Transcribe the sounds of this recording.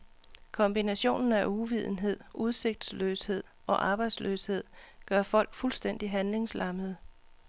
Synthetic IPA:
kʰɒ̽mb̥inæɕo̝̰ːnn̩æʔuʋið̞ˠn̩ɦe̝ð̞̰ˠʔuð̞ˠse̝ɡ̥̚d̥sløːshe̝ð̰ˠʔɒ̽ʔɑ̈ːb̥ɑ̈ɪd̥slø̰ːshe̝ð̞̰ˠɡ̥ɶɐfɒ̽l̰ɡ̥fulsd̥en̰d̥iɦænle̝ŋslɑ̈məðˠ

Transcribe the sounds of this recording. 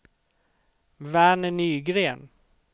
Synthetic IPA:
væːnənyːɡɾeːn

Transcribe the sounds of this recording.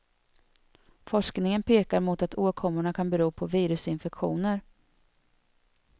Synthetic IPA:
fɔʂknɪŋənpeːkaɾmʊt̪at̪ʰoːkʰɔmʊɳakʰanbɛɾuːpʰɔviːɾɵsɪnfɛkɧuːnəɾ

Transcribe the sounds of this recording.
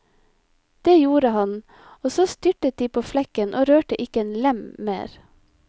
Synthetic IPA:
d̪̥eːjuːɾəhɑn | oːsoːst̪ʏʈət̪̚d̪iːpʰoːflɛkənʔoːɾøːʈəʔɪkəeːnlɛmmḛːɾ

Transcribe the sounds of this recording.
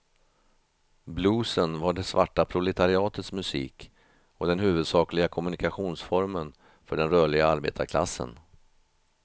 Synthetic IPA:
bluːsənvaɖɛsva̰ʈːapʰɾʊlɛt̪ʰaɾɪɑːt̪ət̪smɵsḭːk | ɔd̪ɛnhʉ̟ːvɵd̪sɑːklɪɡakʰɔmɵnɪkaɧuːnsfɔɾmən | fœɖɛnɾœːɭɪɡaaɾbḛːt̪a̰kʰla̰sːə̰n

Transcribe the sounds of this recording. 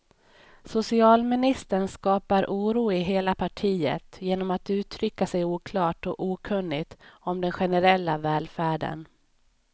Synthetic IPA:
sʊsɪɑːlmɪnɪst̪əɳskɑːpaɾʔuːɾuːɪɦeːlapʰaʈʰiːə̰t̪jeːnɔmat̪ʉ̟ːt̪ʰɾʏkːasɛjuːkʰlɑːʈɔuːkʰɵnːɪɡt̪ɔmd̪ɛnɧɛnəɾɛlːavɛːlfæːɖə̰n

